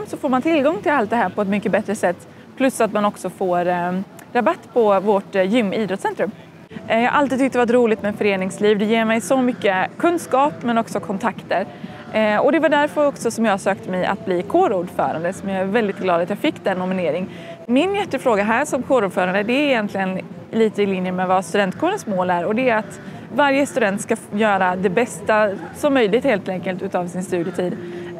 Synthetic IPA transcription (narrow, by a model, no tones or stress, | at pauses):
msɔfoːmant̪ʰɪlːɡɔŋːt̪ʰɪlalt̪̚d̪ɛɦæːɾpʰɔɛt̪̬mʏkːəbɛt̪ɾəsɛt̪ː | pʰlɵsːat̪manɔksɔfoːɾ | ɾabat̪ːpʰɔvoʈjʏmːiːd̪ɾɔt̪sɛnt̪ɾɵm | jɑːɡʔa̰lt̪iːd̪ʏk̚t̪ːɛvat̪ɾuːlɪt̪mɛfœɾeːnɪŋsliːvd̪ɛjeːɾmɛjsɔmʏkːəkʰɵnskɑːpmɛnɔksɔkʰɔnt̪ʰakt̪əɾ | ɔd̪ɛvaɖæɾfœɾɔksɔsɔmjɑːsøːkt̪ʰəmɛjʔa̰t̪̚bliːkʰoːɾuːɖfœ̰ːɾa̰nd̪əsɔmjɑːæɾvɛld̪ɪt̪̚ɡlɑːd̪at̪jɑːfɪkːd̪ɛnːʊmɪneːɾɪŋ | mɪnjɛt̪ːəfɾoːɡaɦæːʂɔmkʰoːɾuːɖfœːɾand̪əd̪ɛɾɪjɛnt̪lɪɡən | liːt̪əɪlɪnjəmɛvast̪ɵd̪ɛnt̪kʰoːɾənsmoːlæɾɔd̪ɛɾat̪ | vaɾjəst̪ɵd̪ɛnt̪skajœːɾad̪ɛbɛst̪asɔmːœjlɪɡt̪heːlt̪ɛŋkəlt̪ʉ̟ːt̪ɑːvsɪnst̪ʉ̟ːd̪jət̪ʰiːd̪